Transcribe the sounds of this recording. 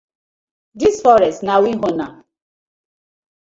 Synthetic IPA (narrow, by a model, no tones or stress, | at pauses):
disfɔɾɛstnawiɦona